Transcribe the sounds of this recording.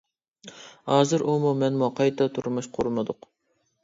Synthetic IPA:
hɑːzɨɾʔumumɛnmɑqʰɑjt̪ʰɑt̪ʰuɾmuʃqʰʊɾmɨd̪ʊq

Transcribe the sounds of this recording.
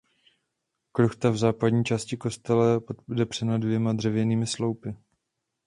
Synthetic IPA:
kɾoxt̪avzaːpadɲiːt͡ʃaːscɪko̞st̪ɛlɛpodɛbr̝̥ɛnadvjɛmad̪r̝ɛvjɛniːmɪslo̞wpɪ

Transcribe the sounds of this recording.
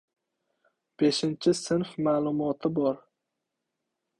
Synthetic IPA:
b̥e̞ʃɪnt͡ʃʰɪsɪnfmaːlˠʊmɒt̪ʰɪbɒɾ

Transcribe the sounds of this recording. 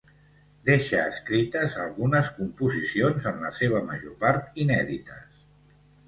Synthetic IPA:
d̪eʃəːskɾit̪əzəlˠɣunəskumpuzisionzəmləseβ̞əmə̰ʒopaɾt̪inɛðit̪əs

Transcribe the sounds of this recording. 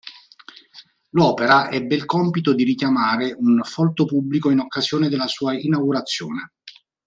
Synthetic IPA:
lɔːpeɾaʔɛbːeilkɔmpit̪od̪iɾikjamaːɾeunfɔlt̪opubːlikoinokːazjoːned̪elːasuːainawɡuɾat̪sːjo̰ːne

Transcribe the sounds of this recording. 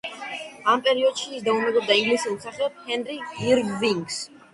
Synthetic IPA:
ampʼɛɾiɔd̪̥ʃiːsd̪aumɛɡɔb̚d̪ailisɛnsaχɛɔt̚hɛnɾiiɾɡviŋɡs

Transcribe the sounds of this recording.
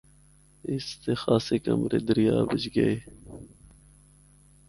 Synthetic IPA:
ɪst̪exaːsekɐ̰mɾed̪əɾjaːbəd͡ʒɡɐeː

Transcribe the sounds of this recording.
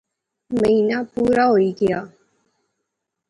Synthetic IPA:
məɦinapuːɾaɦoːiːɡɪjaː

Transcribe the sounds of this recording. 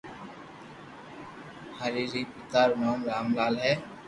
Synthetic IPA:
haɾiːɾiːpɪt̪aːɾmaːmɾaːmlaːlɦɛː

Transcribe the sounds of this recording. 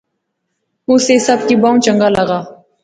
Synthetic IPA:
ʊsesɐbkibãːũt͡ʃəŋɡaːləɡaː

